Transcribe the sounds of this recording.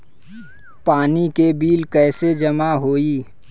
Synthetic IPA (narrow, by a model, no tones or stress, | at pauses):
paːnikebiːlkɛːsed͡ʒɐmaɦoːiː